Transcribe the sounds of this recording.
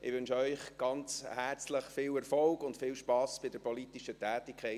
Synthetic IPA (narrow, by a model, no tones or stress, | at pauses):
ʔɪ̰ʋʏnʃœʏχɡ̥ɑnt͡shært͡sləχfɪːlɛɾfɔlɡʊntfɪːlʃpɑːsb̥ɪdəɾpɔlitiʃətæːtɪkʰχɛɪ